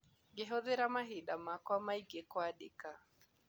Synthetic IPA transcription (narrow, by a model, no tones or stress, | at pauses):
ɡɪɦɔðɪɾamaɦɪɗamakwamaiɡekwaɗɪ̰ka